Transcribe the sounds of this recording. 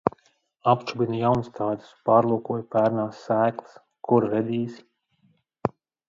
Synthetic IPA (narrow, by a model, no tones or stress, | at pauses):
apt͡ʃubʲinjawnst̪ʰaːd̪u̥spaːɾlˠuɔkuɔjpæːɾnaːsːæːklˠɨ̥s | kʰuɾɾɛd̪iːs